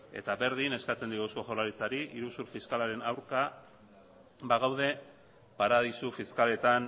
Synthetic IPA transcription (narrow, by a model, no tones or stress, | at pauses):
e̞̰t̪aβe̞ɾðine̞skat͡se̞nd̪iɣusko̞xolaɾit͡saɾiʔiɾusuɾfiskalaɾe̞nawɾka | baɣ̞awðe̞ | paɾaðisufiskale̞t̪an